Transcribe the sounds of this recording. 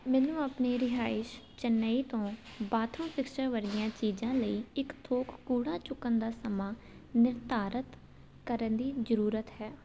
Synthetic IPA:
mɛːnũːəpneːɾɪɦaːɪʃt͡ʃənːəiːt̪õːbaːt̪ʰõːpʰɪkʃəɾʋəɾd̪ɪjãːt͡ʃiːd͡ʒãːləiːɪkt̪ʰoːkkuːɽãːt͡ʃʊkːənd̪aːsəmãː | nɪɾt̪aːɾət̪ | kəɾənd̪iːzəɾuːɾət̪ɦɛː

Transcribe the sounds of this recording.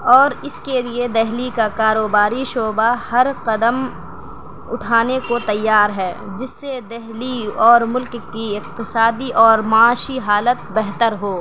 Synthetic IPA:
ɔːɾɪskelied̪ɛɦlikakaːɾoːbaːɾiʃoːbahɐɾqɐd̪əm | ʊʈʰaːnekot̪ɐjːaːɾɦɛːd͡ʒɪsːed̪ɛɦliɔːɾmʊlkkiɪqt̪ɪsaːd̪iʔɔːɾmaaːʃiɦaːlət̪̚bɛɦt̪əɾɦoː

